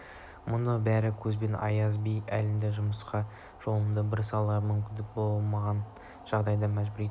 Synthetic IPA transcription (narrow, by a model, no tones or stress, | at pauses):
mʊnəbæɾɪkʲʰɵzbe̞nɑ̰jɑzbijælɪnd̪eʒʊməsqɑ | ʒ̥o̞lˠənd̪əbɪɾsɑlˠɑɾmʏmkʲɪnd̪ɪk̚bo̞lˠmɑʁɑn | ʒ̥ɑʁd̪ɑjd̪ɑmæʒbɪɾet̪